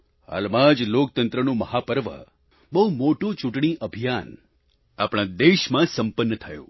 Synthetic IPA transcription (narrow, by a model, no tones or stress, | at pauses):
ha̰lmãd͡ʒlokt̪ənt̪ɾənũməhapəɾʋə̰ | bəɦumoʈũt͡ʃũʈɳ̃iʔəbʱijan | apɽ̃ãd̪eʃmãsəmpənːət̪ʰəjṵ̃